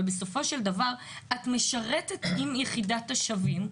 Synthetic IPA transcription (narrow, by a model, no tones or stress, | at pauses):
beso̞fo̞ʃeldavaʁ | atmeʃaʁetetimjeχidatːaʃavim